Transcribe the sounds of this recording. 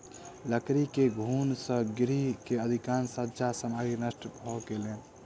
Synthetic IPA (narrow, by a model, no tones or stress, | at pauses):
ləkɾikeɡʱunsə̃ɡɾikeəd̪ʱikansətːd͡ʒasəmaɡinəsʈbʱɔɡelen